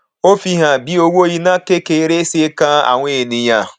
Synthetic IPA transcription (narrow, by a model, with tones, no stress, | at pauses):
o˦fi˦ɦa˨bi˦o˦wo˦ji˦na˦ke˦ke˨ɾe˦se˦e˦ka˦a̰˨ŋʷe˦˨ni˨ja˦